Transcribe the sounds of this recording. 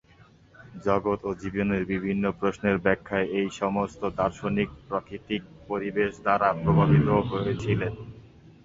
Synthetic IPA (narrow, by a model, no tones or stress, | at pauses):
d͡ʑɔɡot̪od͡ʑiboneɾbibʱinːopɾosneɾbɛkʰːaeʔejʃɔmost̪od̪aɾʃonik̚pɾakɾit̪ik̚poɾibeʃd̪aɾapɾobʱabʱit̪oɦoet͡ɕʰilen